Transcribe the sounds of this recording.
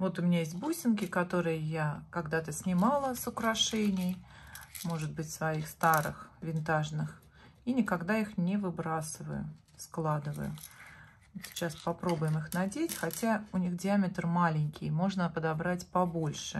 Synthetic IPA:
vo̞t̪ʊmʲɪnʲajesʲt̚ʲbusʲɪnkʲɪkɐt̪o̞ɾɨjəjakɐɡd̪at̪əsʲnʲɪmalˠəsʊkɾɐʂɛnʲɪj | mo̞ʐɨd̪̚bɨtʲsvɐixst̪aɾɨ̰xvʲɪnt̪aʐnɨx | inʲɪkɐɡd̪aixnʲɪvɨbɾasɨvə̰jʊ̰ | sklˠad̪ɨvə̰jʊ̰ | sʲɪ̥t͡ɕaspɐpɾo̞bʊjɪmɨxnɐdʲetʲxɐtʲaʊnʲixdʲɪamʲɪt̪rmalʲɪnʲkʲɪjmo̞ʐnəpəd̪ɐbɾatʲpɐbo̞lʲʂɨ

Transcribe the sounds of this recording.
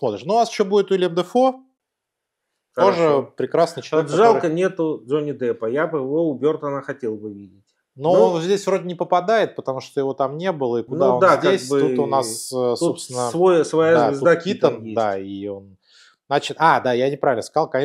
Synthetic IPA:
smo̞t̪ɾʲɪʂnuːnasɪ̥ɕːobudʲɪt̪ʊɪlʲɪɛmd̪əfo | t̪o̞ʐɨpɾʲɪkɾasnɨjt͡ɕɪlˠɐvʲtːk̪kʐalˠkənʲe̞t̪ʊʐonʲɪd̪ɛpəjabjɪvo̞ʊbʲo̞rt̪ənəxɐtʲelˠbɨvʲidʲɪtʲ | noonzʲdʲesʲvɾodʲɪnʲɪpəpɐd̪ajɪt̪̚pət̪ɐmuʂt̪ojɪvo̞t̪amnʲe̞bɨlˠəikʊnaond̪akdʲaesʲbɨut̪ʊnasəsoopst̪ʲɪnːəvojsvɐjazdzavɪzud̪ait̪ənd̪aio̞n | at͡ɕɪt̪ad̪ajanʲɪpɾavʲɪlʲnəskɐzɑlˠkɐnʲe

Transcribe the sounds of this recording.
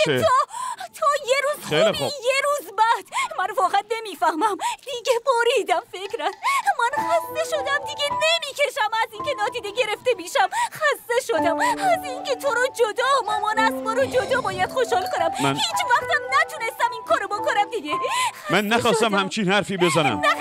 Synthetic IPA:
ot̪ʰojeɾuːzχejlixojeɾuːzbæd̪̥mænfɒːɣæt̪̚ne̞miːfæhmæmd̪̥iɡeboɾid̪æmfe̞cɾæsmænxæst̪e̞ʃo̞d̪æmd̪iɡʲene̞miːcʰe̞ʃæmæziːncʰenɒːt̪iːd̪eɡe̞ɾe̞ft̪e̞miːʃæmxæst̪e̞ʃod̪æmæzincʰet̪ʰoɾɒd͡ʒod̪ɒːmɒːmɒːnæsmɒːɾod͡ʒod̪ɒːbɒːjæd̪̥xoʃhɒːlkonæmmænhiːt͡ʃvæxt̪ʰæmnæt̪ʰunest̪æminkʰɒːɾobokʰonæmd̪iɡeæmænːæxɒːsst̪æmhæmt͡ʃʰinhæɾfiːbezænæ̰mnæ

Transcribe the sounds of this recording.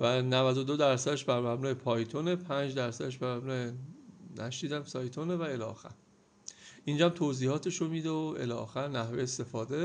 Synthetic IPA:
vænævæd̪od̪o̞d̪æɾsæd̪eʃbæɾmæbnuːepʰɒːjt̪ʰone̞pʰænd͡ʒd̪æɾsæd̪eʃbæɾmæbnuːenæʃiːd̪æmsɒːjt̪ʰonevæelɒ̰ːxæ̰ɾ | ʔind͡ʒæmt̪ʰoziːhɒːt̪ʰe̞ʃomid̪eoelɒ̰ːxæɾnæhvejest̪e̞fɒːd̪e̞

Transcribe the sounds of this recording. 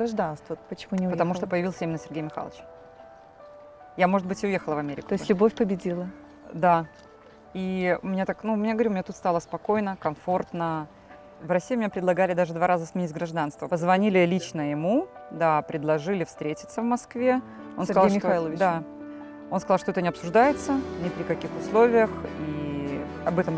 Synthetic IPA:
ɡɾɐʐd̪anst̪vəpət͡ɕɪmunʲɪpət̪ɐmuʂˠt̪opəjɪvʲilˠsʲəimɪnəsʲɪrɡʲejmʲɪxa̰lˠət͡ɕ | jamo̞ʐɨt̪̚bɨtʲɪʊje̞xəlˠəvɐmʲeɾʲɪkʊt̪oɪstlʲʊbofʲpəbʲɪdʲilˠə | d̪a | iʊmɪnʲat̪aknumʲɪnʲaɡəvɐɾʲumɪnʲat̪ut̪st̪alˠəspɐko̞jnəkɐmfo̞rt̪nə | vrɐsʲːiːmʲɪnʲapɾʲɪd̪lˠɐɡalʲɪd̪aʐɨd̪vaɾazəsmʲɪnʲitʲɡɾɐʐd̪anst̪vəpəzvɐnʲilʲɪlʲit͡ɕnəjɪmud̪apɾʲɪd̪lˠɐʐɨlʲɪfst̪ɾʲetʲɪ̥t̪səvmɐskvʲe | onskzlˠmʲɪt̪ilˠəvʲd̪a | onskɐzɑlˠʂt̪oɛt̪ənʲɪɐpsʊʐd̪ajɪt̪sənʲɪpɾʲɪkɐkʲixʊslˠo̞vʲɪjəxi | ɐbɛt̪əm

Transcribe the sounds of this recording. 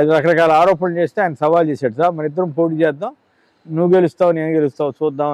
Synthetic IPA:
ɐd̪iɾɐkɐɾɐkaːlɐaːɾɔːpɐnt͡ʃeːst̪eaːjinɐsɐʋaːlt͡ʃeːsaːɽusaːɾmɐnɐid̪ːɐɾɐmpo̞ːʈ̬iːt͡ʃɛːd̪aːm | nuʋɡe̞lust̪aːʋne̞ːnuɡelust̪aːwt͡ʃuːd̪ːaː

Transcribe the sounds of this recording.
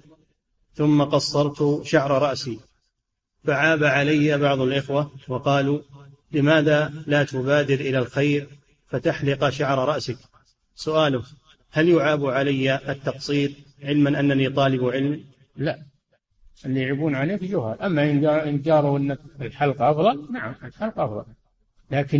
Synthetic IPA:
θʊmːaqɑsˤːɑɾˤt̪ʃaʕɾˤɑɾˤɑʔsi | faʕaːbaʕalajːabɑʕðˤʊlʔɪxwawɑqɑːluːlɪmaːðaːlaːt̪ʊbaːd̪ɪɾʔɪlalxajɾ | fat̪aħlɪqʃaʕɾˤɑɾˤɑʔsɪk | sʊʔaːlʊ | haljʊʕaːbuʕalajːaʔːt̪ːɑqsˤiːt̪̚ | ʕɪlmanʔanːanit̪ˤɑːlɪbʕɪlmi | laʔ | ɪlːiʕɪbuːnʕaleːkd͡ʒʊhaːlʔamːaʔɪnɪnd͡ʒ̪ɑːɾˤuʔɪnːakɪlħɑlqʔɑfðˤɑlnaʕamɪlħɑlqʔɑfðˤɑ̰l | laːkɪ

